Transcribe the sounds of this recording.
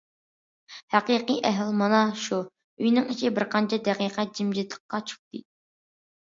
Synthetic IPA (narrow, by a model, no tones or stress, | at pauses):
hæqiqijʔɛɦlmɑnɑʃu | yjnɪŋiʃʰibɪɾqʰɑnt͡ʃʰɛd̪ɛqiːqɛd͡ʒimd͡ʒit̪ʰlˠə̥qqːɑt͡ʃʰu̥χ̚t̪ɨ